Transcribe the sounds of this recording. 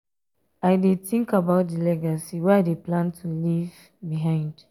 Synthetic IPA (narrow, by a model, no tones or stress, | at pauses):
aɪdeθĩŋkabaʊt̚dilɛɡasiwɛaɪdeplãntʰuliv | biɦãɪ̃nd̥